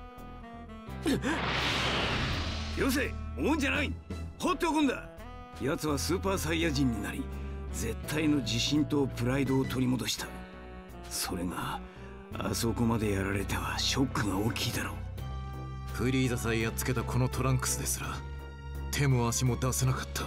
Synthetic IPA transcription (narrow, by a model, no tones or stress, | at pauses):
jos̬eoɲ̟d͡ʑanaihot̪ːe̞okõnd̪a | jat͡sɨβasɨːpaːsaijad͡ʑĩɲ̟ːinaɾʲid͡ze̞t̪ʰːaino̞d͡ʑiɕĩnt̪o̞pɯ̟ɾaid̪o̞ːt̪o̞ɾʲimo̞d̪o̞ɕi̥t̪ḁ | so̞ɾe̞ŋa | a̰so̞ko̞mad̪e̞jaɾaɾe̞t̪e̞βaɕo̞kːɯ̟ɡaoːkʲʰiːd̪aɾo̞̰ː | ɸɯ̟ɾʲiːzasaiat͡sɨ̥ke̞t̪akʰo̞no̞t̪o̞ɾãŋkɯ̟̥sɨd̪e̞sɨɾa | t̪ʰe̞moaɕimo̞d̪asenakḁt̪ʰːḁ